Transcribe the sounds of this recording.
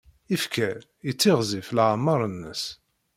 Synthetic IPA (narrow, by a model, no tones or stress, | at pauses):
ifkʰæ | it͡sːɪʁziflʕamːɑɾˤənːə̰s